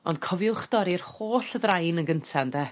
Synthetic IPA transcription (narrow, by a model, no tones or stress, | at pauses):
ɔ̰nd̚kʰɔvjʊχd̥ɔɾɪrhoːɬəðrajnəɡəntʰɛndɛ